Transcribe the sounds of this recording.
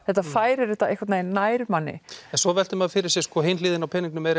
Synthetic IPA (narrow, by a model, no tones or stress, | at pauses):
θɛht̪ːafaːjɾɛɾɪt̪aehkvaɾt̪najnaːjɾmanːɪ̰ɛnsvɔvɛl̥t̪ɪmaðfɪɾɪɾ̥sɪskʰvɔɦɪjnliːðɪnawpʰɛniŋknʏmɛɾ